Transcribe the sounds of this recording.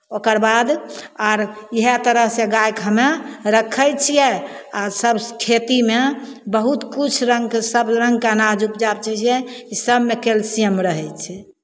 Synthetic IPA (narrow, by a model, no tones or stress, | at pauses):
okəɾbad̪aɾjiɦet̪əɾəɦsẽɡajkʰənaɾəkʰəjt͡ʃʰijɛasəbkʰet̪imebəɦut̪kut͡ʃʰɾəŋɡksəbɾəŋɡkanad͡ʒupd͡ʒabt͡ʃʰɛt͡ʃʰijɛkisəbmekelsijəmɾəɦɛt͡ʃʰɛ